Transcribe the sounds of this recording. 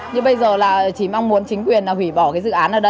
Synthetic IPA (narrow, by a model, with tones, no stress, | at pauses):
ɲɨ˧ɓə˧jzəː˨˩laː˨˩˨t͡ɕi˧˩maː˧ŋmu˨˦ənt͡ɕï˨˦ŋ̟kwi˨˩ənlaː˨˩wi˧˩ɓɔ˧˩kaː˨˦jsɨ̰˧˨ʔaː˨˦nʔaː˨˩ɗə˧˦